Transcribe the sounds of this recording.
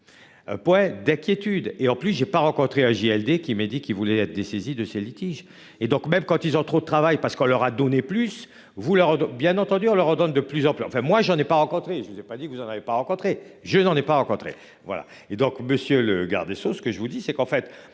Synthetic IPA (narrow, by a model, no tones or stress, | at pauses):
pwɛ̃d̪ɛ̃kʲjet̪yd̪eɑ̃plys̬ʒepaʁɑ̃kɔ̃t̪χeaʒiɛld̪ekʲimɛd̪ikʲilvulɛɛt̪χəd̪esezid̪əselit̪iʒ | ed̪ɔ̃kmɛmkɑ̃t̪ilzɔ̃t̪χod̪ət̪χavajpaʁsə̥kɔ̃lœʁad̪ɔneplys | vulœʁbjɛ̃nɑ̃t̪ɑ̃d̪yɔ̃lœʁɑ̃d̪ɔnd̪əplyzɑ̃plysɑ̃fɛ̃mwaʒɑ̃nɛpaʁɑ̃kɔ̃t̪χeʒəvuzɛpad̪ikəvuzɑ̃navepaʁɑ̃kɔ̃t̪χeʒənɑ̃nɛpaʁɑ̃kɔ̃t̪χḛ | vwa̰la̰ | ed̪ɔ̃kməsjøləɡa̰ʁd̪esosə̥kəʒəvud̪isɛkɑ̃fɛt̪